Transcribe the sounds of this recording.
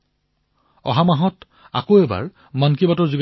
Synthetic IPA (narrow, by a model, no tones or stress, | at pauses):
ɔ̰ɦamaɦɔt | a̰koɛba̰ɹ | mankibatɔɹzuɡ